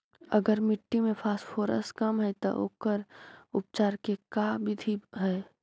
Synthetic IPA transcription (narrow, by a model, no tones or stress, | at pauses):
ɐɡəɾmɪʈːimẽpʰaːsfʰoːɾə̰skɐmɦɛt̪o̰ʔo̰ːkəɾʊp̚t͡ʃaːɾkekabɪd̪ʱiɦɛː